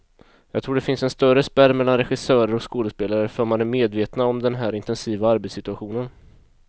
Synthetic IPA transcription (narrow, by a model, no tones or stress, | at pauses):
jɑ̰ːɡt̪ʰɾuːɖɛfɪnsɛnst̪œɾəspæɾmɛlːanɾɛɧɪsœːɾəɾɔkskoːləspeːlaɾəfœːɾmanæɾmeːd̪veːt̪naɔmd̪ɛnɦæːɾɪnt̪ɛnsiːvaaɾbet̪sɪt̪ɵaɧuːnən